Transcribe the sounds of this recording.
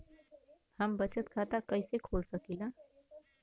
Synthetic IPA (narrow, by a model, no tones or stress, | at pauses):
həmbət͡ʃət̪kʰat̪akəɪsekʰolsəkilã